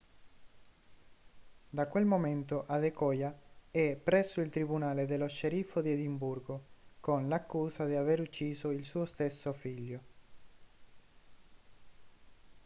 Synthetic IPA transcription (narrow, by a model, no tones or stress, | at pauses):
d̪akwelmoment̪oʔad̪ekɔjaɛpːɾɛsːoilt̪ɾibunaːled̪eloʃeɾifod̪ied̪imburɡokonlakːuːsad̪iaveɾut͡ʃːiːzoilsuːost̪esːofiʎːo